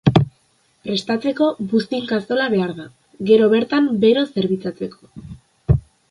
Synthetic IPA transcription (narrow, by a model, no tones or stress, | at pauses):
pɾe̞st̪at͡se̞ko̞βust̪iŋkast̪o̞laβe̞aɾða | ɡe̞ɾo̞βe̞ɾt̪ambe̞ɾo̞se̞ɾβit͡sat͡se̞ko̞